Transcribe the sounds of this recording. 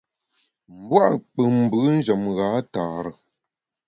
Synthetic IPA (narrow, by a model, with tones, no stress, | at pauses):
m̩˨˦bwa˦ʔk͡pɨ˨m̩˨bɨ˨˦n̩˦d͡ʒə˨mɣaː˨˦taː˨ɾə˨